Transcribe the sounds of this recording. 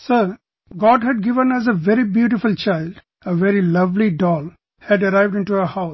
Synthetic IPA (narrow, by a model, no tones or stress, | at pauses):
səɾ | ɡɔːɖɦæɖ̚ɡɪʋə̃næs̬əʋɛɾibjuːʈɪfult͡ʃaɪlɖ | əʋɛɾilʌʋliɖɔːl | hæɖəɾaɪʋɖɪ̃ɳʈuəhaʊ